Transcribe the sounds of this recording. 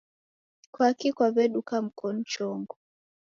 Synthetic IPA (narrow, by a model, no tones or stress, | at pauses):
kwakikwaβɛɗukam̩kɔn̩t͡ʃɔŋɡɔ